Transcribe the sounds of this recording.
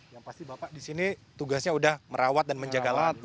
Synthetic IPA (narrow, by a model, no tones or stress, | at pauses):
jaŋpast̪ibapaʔdisinit̪uɡasɲaudahməɾawat̪̚danməɲd͡ʒaɡalat̪̚